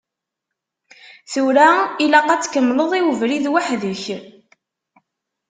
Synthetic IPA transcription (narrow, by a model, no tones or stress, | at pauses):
θuɾailæqɑt͡sːkəmːləðˤiwəvɾiðwaħðəç